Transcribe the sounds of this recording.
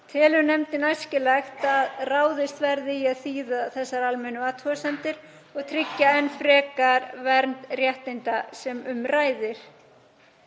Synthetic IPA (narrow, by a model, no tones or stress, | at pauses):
t̪ʰɪlʏnɛmt̪ɪnajscɪlɛxt̪aðraːwðɪst̪vɛɾðɪiaðθiːðaθɛsːaɾalmɛnʏaːt̪ʰhɔsɛnt̪ɪɾ̥ | ɔɣt̪ʰɾɪcːaɛnːfɾɛːkaɾvɛɾnt̪rjɛht̪ɪnt̪asɛmʏmraːjðɪɾ̥